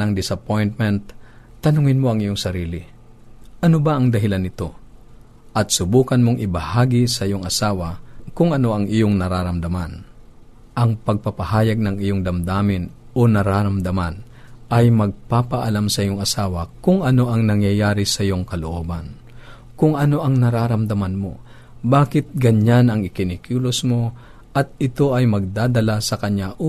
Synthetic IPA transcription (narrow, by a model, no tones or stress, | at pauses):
nɐŋd̪ɪsɐpojnt̪̚mɛnt̪̚t̪ːɐnʊŋɪnmoɐŋɪjoŋsɐɾiːlɪ | ʔɐnobaʔɐŋd̪ɐɦɪlanːɪt̪o̞ | ʔɐt̪̚sʊbuːkɐnmoŋʔɪbɐhaːɡisɐʔɪjoŋɐsaːwakʊŋɐno̞ʔɐŋʔɪjoŋnɐɾaɾɐmd̪ɐman | ʔɐŋpɐɡ̚pɐpɐhaːjɐɡ̚nɐŋʔɪjoŋd̪ɐmd̪aːmɪn | onɐɾaːɾɐmd̪ɐman | ʔɐjmɐɡ̚paːpɐʔɐlamsɐʔɪjoŋɐsaːwɐkʊŋʔɐno̞ʔɐŋnɐŋjɐjaːɾɪsɐɪjoŋkɐloʔoːbɐn | kʊŋʔɐno̞ʔɐŋnɐɾaːɾɐmd̪ɐmanmo̞̰ | baːkɪt̪̚ɡɐɲanɐŋɪkɪnɪkuːlosmo̞ | ʔɐt̪̚ɪt̪o̞ʔɐjmɐɡ̚d̪aːd̪ɐlasɐkɐɲaʔo